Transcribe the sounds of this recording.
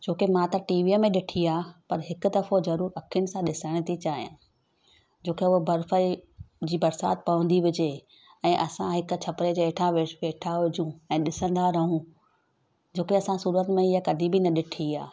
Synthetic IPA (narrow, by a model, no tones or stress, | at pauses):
d͡ʑoːkemãt̪ɐʈiːʋiːəmẽɗɪʈʰiaːpɐɾɦɪkʊ̆d̪ɐfozɐɾuːɾɐkʰijʊñɪ̆sãɗɪsəɽ̃t̪ʰit͡ɕaːɦijã̰ː | d͡ʑoːkeʊɦbɐɾfəid͡ʑiːbɐɾsaːt̪̚pɐʋə̃n̆d̪iʋɪd͡ʑe | ɛ̃ːʔɐsãɦɪkʊt͡ɕʰɐpɾed͡ʑeːʈʰãʋeʋeːʈʰaɦʊd͡ʑʱũɛ̃ːɗɪsə̃nd̪aɾɐɦũ | d͡ʑoːkeɐsãsuːɾət̪mẽɪjakɐd̪ʱibɪnɐɗɪʈʰiaː